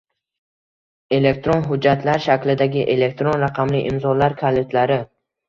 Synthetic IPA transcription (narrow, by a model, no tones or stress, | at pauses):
e̞le̞k̚t̪ɾonɦʊd͡ʒːat̪ʰlaɾʃakʲlɪd̪aɡʲɪʔe̞le̞k̚t̪ɾonɾaqʰɑmlɪʔɪmzɒlaɾkʰalet̪ʰlaɾɪ